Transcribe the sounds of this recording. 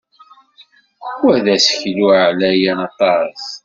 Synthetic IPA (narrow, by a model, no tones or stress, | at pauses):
wæðæsə̥çluʕlæjænɑt̪ˤɑs